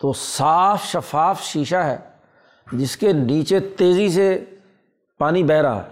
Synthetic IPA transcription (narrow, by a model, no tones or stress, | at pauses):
t̪oːsaːfʃəfaːfʃiːʃaɦɛ̰ː | d͡ʒɪskeniːt͡ʃet̪eːzise | paːnibɛːɾa̰ːɦɛ̰ː